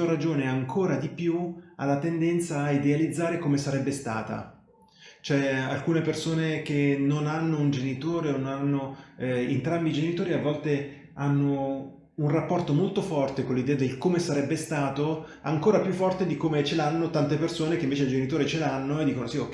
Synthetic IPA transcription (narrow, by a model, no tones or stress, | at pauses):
oɾad͡ʒoːneaŋkʰoːɾad̪ipjua̰lːat̪end̪ɛnt̪saːid̪ealid̪zːaːɾekomesaɾɛbːest̪a̰ːt̪a̰ | t͡ʃoɛalkuːnepersoːnekenonanːound͡ʒenit̪oːɾenonanːoḛnt̪ɾambid͡ʒenit̪oːɾiavːɔlt̪e | anːo | unrapːɔrt̪omolt̪ofɔrt̪ekolːid̪ɛːad̪elkomesaɾɛbːest̪aːt̪o | a̰ŋkoːɾapjufːɔrt̪ed̪ikomet͡ʃelanːot̪ant̪epersoːnekeiɱveːt͡ʃeld͡ʒenit̪oːɾet͡ʃelanːoed̪ːikonosio